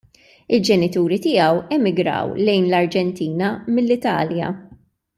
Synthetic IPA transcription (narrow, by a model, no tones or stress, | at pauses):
ɪld͡ʒɛnɪt̪uːɾit̪ɪɐwɛmɪɡɾɐ̰wlɛjnlɐɾd͡ʒɛnt̪iːnɐmɪlːɪt̪ɐ̰ːljɐ̰